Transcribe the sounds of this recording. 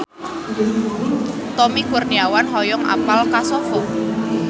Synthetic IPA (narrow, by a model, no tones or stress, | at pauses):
t̪ɔmikurniawanɦɔjɔŋʔa̰palkasɔfɔ